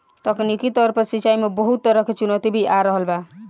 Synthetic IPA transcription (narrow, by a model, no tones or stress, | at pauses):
t̪ʌknikit̪ʌɾpʌɾsit͡ʃajmebɔɦut̪ːʌɾʌkʰet͡ʃunot̪ibʱiʔaɾəɦəlba